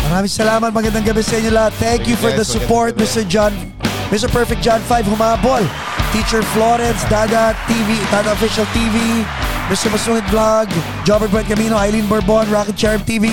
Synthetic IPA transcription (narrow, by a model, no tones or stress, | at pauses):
mɐɾaːmɪ̃ŋsɐlaːmɐt̪̚mɐɡɐnd̪aŋɡɐbɛsɐʔɪɲːolɐhat̪̚θɛŋkjufɔɹd̪ɐsʊpoɹt̪̚mɪst̪ɛɹd͡ʒn | mɪst̪ɛɹpɛɹfɛk̚d͡ʒanfajvhʊmaːbol | t̪iːt͡ʃɛɹfloɾɛnsd̪aːɡɐt̪ːiːvit̪aːd̪ɐofɪʃɐlt̪iːvimɪst̪ɛɹbɐsuŋɪn̚blaɡ | d͡ʒobɛt̪̚bɛd̪̚kɐmiːnoʔajlinbɐɹbonɹaːkɪd̪t͡ʃɛɹɛmt̪iːvi